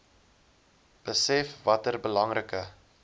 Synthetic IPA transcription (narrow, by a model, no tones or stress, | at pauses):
b̥əsɛfvɐtərbəlɐŋrəkə